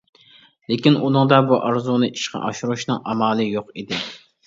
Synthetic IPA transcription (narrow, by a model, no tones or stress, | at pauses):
lekʲinunɨŋd̪ɑbuʔɑɾzunɨʔiʃqɑ̰ʔɑʃuɾuʃnɨŋʔɑmɑːlˠɨjoqid̪ɪ